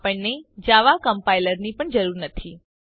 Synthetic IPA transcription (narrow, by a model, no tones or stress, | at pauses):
pəɳːed͡ʒaʋakəmpailəɾnipəɳd͡ʒəɾuɾnət̪ʰi